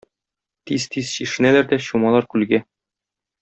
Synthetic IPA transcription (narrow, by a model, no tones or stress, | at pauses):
t̪izt̪izɕiʃɘ̆nælæɾd̪æɕumɑlˠɑɾkʉlɡæ